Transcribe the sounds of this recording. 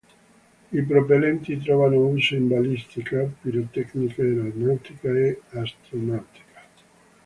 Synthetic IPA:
ipɾopelɛnt̪it̪̬ɾɔvanout͡ʃeimbalist̪ikapiɾot̪ɛkniked̪elad̪nawt̪ikaeast̪ɾonawt̪i̥kḁ

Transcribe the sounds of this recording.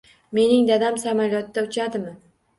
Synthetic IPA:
me̞nɪŋd̪ad̪amsamaljɒt̪ːaʊt͡ʃʰad̪ɪmɪ

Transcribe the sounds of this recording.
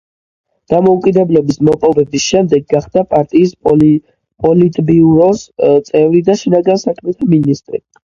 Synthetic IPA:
d̪̥amɔukʼid̪ɛblɔbismɔpʼɔbɛbisʃɛmd̪ɛɡːaχd̪apʼaɾt̪ʼiːs | pʼɔlit̪ʼbiuɾɔst̪sʼɛvɾid̪aʃinaɡansakʰmɛt̪ʰaminist̪ʼɾḭ

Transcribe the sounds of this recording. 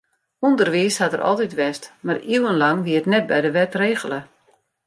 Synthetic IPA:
undərʋiəshatərʔɔ̰lˠtitʋɛstmariwənlɑŋʋiətnɛt̚bɛjdəʋɛtreːɣələ

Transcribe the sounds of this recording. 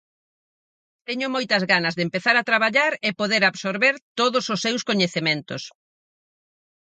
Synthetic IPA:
t̪ɛɲʊmojt̪ɐzɣanɐzðempeθaɾat̪ɾaβaʎaɾɪpoðeɾaβsoɾβeɾt̪oðʊsosːewskoɲeθemẽnt̪ʊs

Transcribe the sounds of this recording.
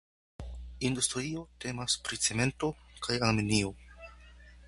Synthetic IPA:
industɾio̞te̞maspɾit͡se̞me̞nto̞kʰajaɾminio̞

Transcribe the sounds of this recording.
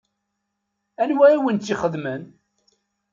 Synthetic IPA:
ænwæiwənt̪ːiχəðmən

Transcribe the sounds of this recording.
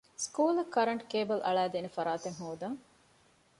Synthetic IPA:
skuːlɐkːɐɾɐɳʈkeːbɐlʔɐ̰ɭæːd̪eːnefɐɾaːt̪eŋɦoːd̪ɐŋ

